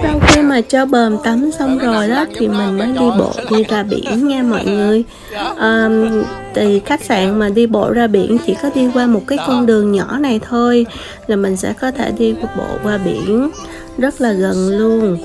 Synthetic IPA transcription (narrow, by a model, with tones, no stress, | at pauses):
sa˧wŋ͡mxi˧maː˨˩t͡ɕɔ˧ɓəː˨˩mt̪ə˨˦msə˧wŋ͡mzo˨˩jɗɔː˨˦t̪ʰi˨˩mï˨˩ŋ̟məː˨˦jɗi˧ɓo̰˧˨ɗi˧zaː˧ɓḭ˧˨ənŋɛ˧mɔ̰˧˨jŋɨ˨˩əj | ʔəː˨˩t̪ʰi˨˩xa˦˥jk̟̚za̰ː˧˨nmaː˨˩ɗi˧ɓo̰˧˨zaː˧ɓḭ˧˨ənt͡ɕḭ˧˥kɔ˨˦ɗi˧kwaː˧mo˨˩t̚kaː˨˦jkɔ˧nɗɨ˨˩əŋɲɔ˧˩˥na˨˩jt̪ʰo˧j | laː˨˩mï˨˩ŋ̟sɛ̰˧˥kɔ˨˦t̪ʰe˧˩ɗi˧ɓo̰˧˨kwaː˧˩ɓḭ˧˨ən | zə˦˥t̚laː˨˩ɣə˨˩nlu˧ən